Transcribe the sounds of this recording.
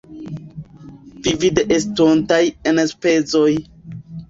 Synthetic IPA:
d̥ivideʔestontajenspe̞t͡soj

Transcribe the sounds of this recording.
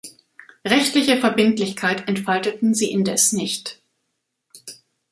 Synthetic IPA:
ʁɛçtlɪçəfɛɐbɪntlɪçkʰaɪtɛntfaltətn̩ziːʔɪndɛsnɪçt

